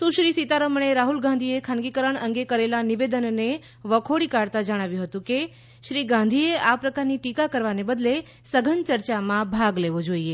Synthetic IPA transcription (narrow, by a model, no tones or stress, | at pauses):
sũʃɾisit̪aɾəməɳ̃eɾaɦulɡãnd̪ʱiekʰãnɡikəɾəɳəŋɡekəɾelaniʋed̪ənne | ʋəkʰoɽikaɽt̪ad͡ʒəɽ̃aʋjũɦət̪ũke | ʃɾiɡãnd̪ʱieapɾəkaɾniʈikakəɾʋanebəd̪le | səɡʱənt͡ʃəɾt͡ʃamãbʱaɡleʋod͡ʒoie